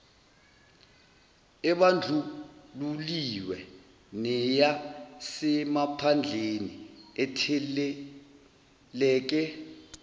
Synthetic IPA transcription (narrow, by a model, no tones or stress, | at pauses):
ɛɓand͡ɮʱululiwɛ | nɛjasɛmapʰand͡ɮʱeniɛtʰɛ | lɛːk̬ɛ